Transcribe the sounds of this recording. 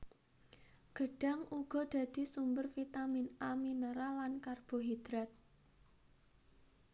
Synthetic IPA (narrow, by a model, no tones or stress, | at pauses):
ɡ̥ə̤ɖ̥a̤ŋuɡ̥ɔ̤d̪̥a̤d̪̥i̤sumbərfit̪amɪnaminəɾalankarb̥ɔ̤ɦid̪̥ɾat̪̚